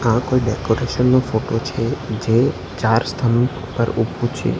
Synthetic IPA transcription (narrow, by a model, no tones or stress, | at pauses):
ãkoiɖɛkoɾeʃənːofoʈot͡ʃʰed͡ʒe | t͡ʃaɾst̪ʰəm | pəɾubũt͡ʃʰḛ